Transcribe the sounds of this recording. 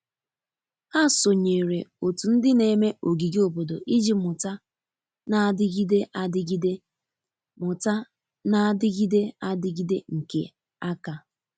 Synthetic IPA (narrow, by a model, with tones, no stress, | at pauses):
a˦˨so˨ɲe˨ɾe˨o˨tu˨n̩˦dɪ˦ne˨me˦ʔo˨ɡi˨ɡi˦o˦˨bo˨do˨ʔi˦d͡ʒi˦mʊ˨ta˦ | na˦dɪ˦ɡi˦de˦ʔa˦˨dɪ˦ɡi˦de˦ | mʊ˨ta˦ | na˦dɪ˦ɡi˦de˦a˦dɪ˦ɡi˦de˦ŋ̩˨ke˨ | a˦ka˦